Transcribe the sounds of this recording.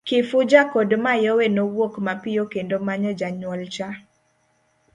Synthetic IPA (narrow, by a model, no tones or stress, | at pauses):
kɪfʊd͡ʒakodmajowenowokmapɪjokendomaɲɔd͡ʒaɲwɔlt͡ʃa